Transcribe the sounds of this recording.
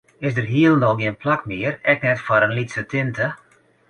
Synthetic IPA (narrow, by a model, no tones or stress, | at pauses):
ɪsdərɦiəlˠndɔɡiənplakmɪərɛknɛtfɔɾənlitsətʰɪntə